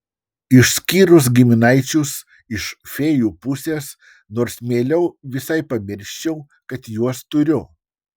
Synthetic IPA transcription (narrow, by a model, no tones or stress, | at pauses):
ɪʃsʲkʲiːɾʊs̬ɡʲɪmʲɪnɐɪt͡ʃʲʊs | ɪʃfʲeːjuːpʊsʲeːs | noːɾsmʲeːlʲɛʊʋʲɪsɐɪpɐmʲɪɾʲʃʲt͡ʃʲɛʊ | kɐt̪juɔst̪ʊɾʲʊ